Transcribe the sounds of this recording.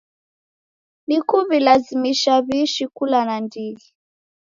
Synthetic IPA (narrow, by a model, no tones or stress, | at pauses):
nikuβilazimiʃaβiʃikulanandili